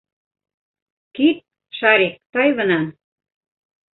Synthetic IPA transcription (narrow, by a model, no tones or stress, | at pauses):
kit̪̚ | ʃɑɾek̚t̪ɑjβə̆nɑn